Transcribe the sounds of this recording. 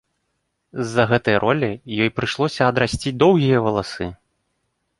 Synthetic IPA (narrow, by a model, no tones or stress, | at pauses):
zːɐɣɛt̪ɐjɐɾʔɔlʲijɔjpɾɨʂlˠɔsʲɐɐd̪ɾasʲt͡sʲid̪ɔwɣʲijɐvɐlˠasɨ